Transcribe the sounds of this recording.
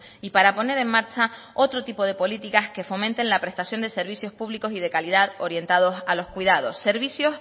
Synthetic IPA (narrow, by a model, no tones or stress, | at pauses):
ipaɾapo̞ne̞ɾe̞ŋmaɾt͡ʃa | o̞t̪ɾot̪ipo̞ð̞e̞po̞lit̪ikaske̞fo̞mẽnt̪e̞nlapɾe̞st̪asjo̞nd̪e̞se̞ɾβ̞isjo̞spuβliko̞sið̞e̞kaliðaðo̞ɾje̞nt̪að̞o̞salo̞skwiðað̞o̞sːe̞ɾβisjo̞s